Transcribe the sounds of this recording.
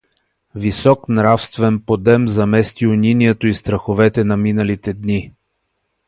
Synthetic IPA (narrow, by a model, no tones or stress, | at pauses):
visɔknɾafst̪vɛnpod̪ɛmzɐmɛst̪iʊnʲiniɛt̪oist̪ɾɐxovɛt̪ɛnɐminəlit̪ɛd̪ni